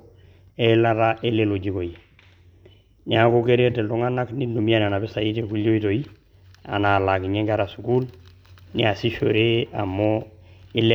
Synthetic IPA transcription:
e˦la˦ɾaʔe˦le˦lo˨ɟi˦ko˨ji˨ | ɲa˦koke˦ɾe˦te˨ldu˦ŋa˦na˦kninːu˨mi˦a˦n˨a˨na˨be˦sa˨ji˦te˨ku˦lːo˦i˦to˨i˦ | a̰˨na˨la˨ki˨ɲe˦ŋɡa˦ɾa˨su˨ku˦l | nḭ˦a˨si˦ʃo̰ɾe˦a˨mːoi˦le

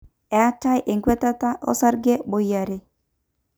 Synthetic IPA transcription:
ɛ˨a˦t͡ʃa˦jʔe˨ŋɡwɛ˦t̪a˦t̪a˦ʔɔ̰˦sa˦ɾɡe˦bo˨ja˨ɾe˨

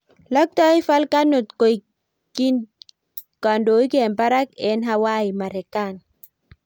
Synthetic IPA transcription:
la˦k̚t̪a˦i˦fa˦lka˦nu˨t̪ko˨j | ki˦n | ka˨ndo˨˦i˦ke˨mpa˦ɾa˦ke˨˦nɦa˦wa˦i˨ma˨ɾe˨ka˦˨n

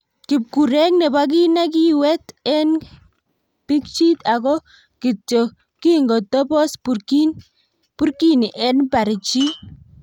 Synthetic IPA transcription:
kɪ˨p̚ku˨ɾɛ˦kne˨ba˦k̬i˦na˦k̬i˦wɛ˦tɛ˦n | pi˦k̚t͡ʃi˦t̪a˨kɔ˦ | kɪ˨t͡ʃɔ˨ | ki˦ŋɡɔ˨tɔ˦pɔ˦spu˨ki˦n | pu˦ɾki˦ni˨ʔɛ˦npa˨ɾɪ˨t͡ʃi˦

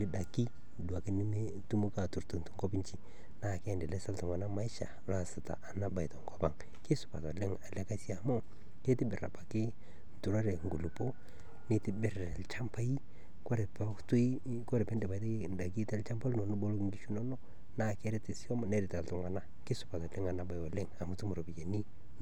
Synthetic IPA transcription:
lɪ˦da˨ki˦ | dwa˨kɪ˦nɪ˦ne˦ | tu˦mu˦ka˨tu˨ɾtu˨n˨tu˦ŋɡɔ˦pi˦ɲt͡ʃi˨ | na˦˨kɛ˦˨ndɛ˨lɛ˦sa˦ltu˨ŋwa˨na˦ma˨˦ɪ˦ʃa̰˨la˦˨sɪ˨ta̰˨ʔa˨na˦ba˨jtɔ˨ŋɡɔ˦pa̰˦˨ŋ | kɪ˦sʊ̥˨pa̰˨ta˨le˦ŋa˨lɛ˦ka˦si˦a˨mo˦ | ke˦tɪ˦bɪ˨ɾa̰˨pa˨kɪ˦ | n̩˨tu˨ɾa˦ɾe˨ŋ˨ɡu˨lu˨po˦ | nɪ˨tɪ˦bɪ˨ɾɛ˨lt͡ʃa˦mpa˦i˦ | kɔ˦ɾɛ˨pɛ˦tu˦i˦ | kɔ˦ɾɛ˨pɛ˦ndɛ˨ba˨˦te˦nda˨k̬i˦tɛ˦lt͡ʃa˦mpa˦lno˨nu˦bo˦lo˦kŋɡi˦ʃu˦nɔ˦nɔ˦ | naː˦˨kɛ˦ɾɛ˦tɪ˨si˦ɔ˦m˨nɛ˦ɾɪ˨ta˨ltʊ˨˦ŋwa˨na˦ | kɪ˦sʊ˨pa˨tɔ˨lɪ˦ŋa˨na˨ba˨jwɔ˨lɪ˦ŋa˨mu˦tu˦mu˨ɾo˨bi˨je˨ni˦

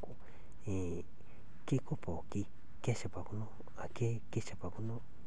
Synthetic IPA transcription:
ku˧ | ẽ˨ | ke˦ku˦po˨ki˧ | ke˦t͡ʃa˨pa˨ku˧nõ˦ | a˨ke˦ | ke˦t͡ʃa˧pa˨ku˧nõ˦

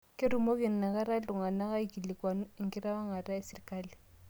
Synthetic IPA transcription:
kɪ˦ɾu˨mo˦kɪ˨n̩˨na˨ka˦ɾa˦ltʊ˨ŋa˨na˦ka˦i˨ki˨li˨kwa˨n˦ɪ˦˨ŋkɪ˦ɾa˦wa˦ŋa˨ɾa˦ɛ˦sɪ˨ri˨ka˦li˨

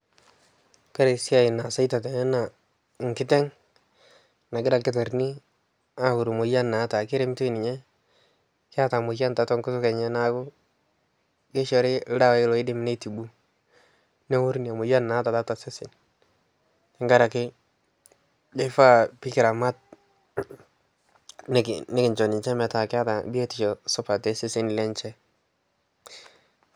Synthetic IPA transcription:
ka˦ɾe˨sɪ˦a˨ɪ˨na˨sa˦i˦ta˨te˨n˦na˨ | ŋ˨kɪ˦tɛ˦ŋ | na˨ɡɪ˦ɾa˨kɪ˦ta˨ɾni˦ | a˦hʊ˨ɾu˨mo˨ja˦nːa˨˦ta˨kɪ˦ɾe˦m˦to˦˨nɪ˨ɲɛ˦ | kɪ˦a˦ta˨mo˨ja˦nta˨tɔ˦ŋkʊ˦sʊ˦kɛ˨ɲɛ˦na˦ɡʊ˦ | ke˦ʃɔ˨ɾɪ˦da˦wa˨˦lɔ˨˦ɪ˦dɪ˦m˨ne˦ti˨bu˦ | nɛ˦wʊ˦ɾni˨a˨mʊ˨ja˦nːa˨˦ta˨ta˦ta˨sɪ˦sɪ˨n | kɪ˦ŋɡa˦ɾa˨kɪ˦ | d͡ʒe˦fa˦pi˦kɪ˨ɾa˨ma˦t̚ | n˦nɪ˦kɪ˨ɲt͡ʃɔ˨ni˨ɲt͡ʃɛ˦mɛ˨ta˨kɪ˦a˦ta˨bi˦e˦ti˨t͡ʃɔ˨sɔ˦pa˨tɛ˦sɪ˦sɪ˦n˨lɛ˦ɲt͡ʃɛ˦

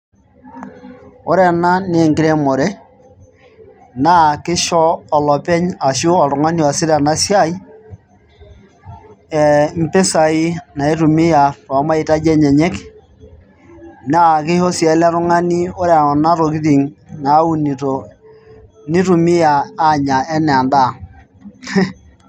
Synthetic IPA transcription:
o˦ɾɛ˨na˦ne˨ŋkɪ˦ɾɛ˦mɔ˨ɾɛ˦ | na˦kɪ˦ʃɔː˦˨lɔ˨pɛ˦ɲa˨ʃʊ˦ɔ˨ɾʊ˨ŋa˦ni˦ɔ˨sɪ˦ɾa˨na˦sja˦i˦ | ɛ˨m̩˦pe˦sa˨i˦na˨i˦ɾu˨mɪ˦ja˨ta˨˦ma˦i˨ta˦d͡ʒɛ˦ɲɛ˨ɲɛ˦k | na˦˨kɪ˦ho˦sja˨˦la˦ɾʊ˦ŋa˦ni˦o˦ɾɛ˨na˦ɾo˨ki˦ɾi˨ŋna˨˦u˦ni˨to˨ | ni˦ɾu˨mɪ˦jaː˨˦˨ɲa˨ɛ˦nɛ˨a˨nda˦˨

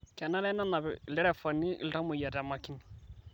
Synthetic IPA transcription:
kɛ˨na˦lɛ˦na˦na˨βɛ˨lɛ˦ɾɛ˨fa˨ni˦ʔḭ˨lta˦mʊ˨ija˨ta˨ma˨ki˦n˨

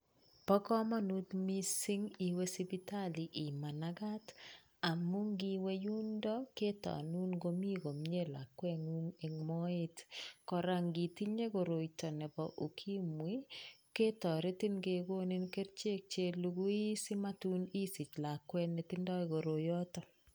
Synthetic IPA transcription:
pɔ˦kɔ˦ma˦nu˦t̪mi˦si˦ŋi˨we˦si˦bi˦ta˦li˨ʔi˨ma˨naɡa˦t | a˨mu˦ŋɡi˦we˦ju˦ndɔ˦ke˦tɔ̰˨nu˦nɡo˦mi˦ɡo˨m˦ɲe˦la̰˨kwɛ˦ŋu˦ŋe˨ŋmɔ˦ɪ˦tkɔ˨ɾa˨ŋɡi˨ti˦ɲe˦ɡo˨ɾo˨itɔ˨nɛ˨bɔ˨ʔo˨kʰi˦mwi˦ke˦tɔ˨ɾe˦ti˦nɡe˨ɡo˦ni˦nke˦ɾt͡ʃe˦k̚t͡ʃe˦lu˦ɡu˦i˦si˦ma˦tu˦ni˦si˨t͡ʃla˨kwɛ˦nːe˨ti˦ndɔ˦iɡo˨ɾo˨jɔ˦tɔ˨

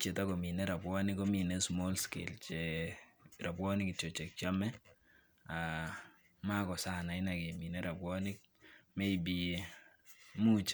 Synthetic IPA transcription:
t͡ʃe˨ta˦ko˨mi˨nɛ˦ɾa˨pwɔ˦nɪkɔ˦mi˨nɛ˦smɔ˦lskɪ̰˨lt͡ʃe | ɾa˨pwɔ˦nɪ˦kɪ˨t͡ʃo˨t͡ʃɛ˨k̚t͡ʃa˦mɛ˦ | a˨ | ma˦kɔ˨sa˦na˨ɪ˦na˨ke˨mi˨nɛɾa˨pwɔ˦nɪ˦k̚ | mɛ˦i˨bi | mu˦t͡ʃ

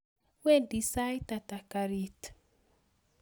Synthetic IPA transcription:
we˦disa˦jtata˨kaɾi˦t

